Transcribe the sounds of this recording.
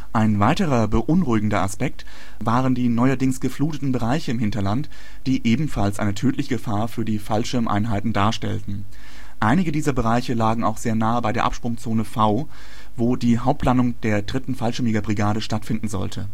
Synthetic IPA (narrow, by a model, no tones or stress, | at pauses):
ʔaɪnvaɪtəʁɐbəʔʊnʁuɪɡŋ̩dɐʔaspɛk̚t | vaːʁəndiːnɔʏɐdɪŋsɡ̥əfluːtətn̩bəʁaɪçəɪmhɦɪntɐlant | d̥iːʔeːbm̩falsʔa̰ɪnətʰøːtʰlɪçəɡəfaːɐfyːɐdiːfalʃɪɐmʔa̰ɪnɦaɪtn̩daːɐʃtɛ̰ltn̩ | ʔaɪnɪɡədiːzɐbəʁaɪçəlaːɡŋ̩a̰ʊxz̥eːɐnaːəbaɪɾeːɐʔa̰pʃpʁ̥ʊŋt͡soːnəfaʊ | voːdiːɦaʊp̚tʰlanʊŋd̥eːɐdʁɪtn̩falʃɪɐmɪɡɐbʁiɡaːɾəʃtatfɪndn̩zɔ̰ltʰə